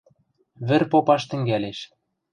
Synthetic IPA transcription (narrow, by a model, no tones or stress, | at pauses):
βɘ̆rpopɑʃt̪ɘ̆ŋɡæleʃ